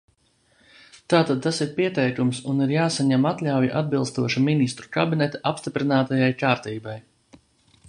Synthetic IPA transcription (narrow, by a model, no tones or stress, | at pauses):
t̪aːt̪ad̪̚t̪ːasiɾpiɛt̪ɛjkumsuniɾjaːsaɲamat̪lʲawjiʔad̪̚bilˠst̪uɔʃuminist̪ɾukabinɛt̪aʔapst̪ipɾinaːt̪ajajkaːɾt̪iːbaj